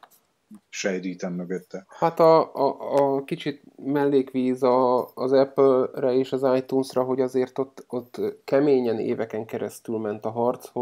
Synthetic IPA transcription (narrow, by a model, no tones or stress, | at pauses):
ʃɛjd̪iːt̪ɛmːøɡøt̪ːɛhat̪ɒː | kit͡ʃit̪ | mɛlːeːkʋiːzɒːzɛplrɛeːʃɒzaːjt̪uːnsrɒɦo̞ɟɒzeːrt̪o̞t̪ːot̪ːkɛmeːɲɛnḛːvɛkɛŋkɛɾɛst̪ylmɛnt̪ɒɦɒrt̪sho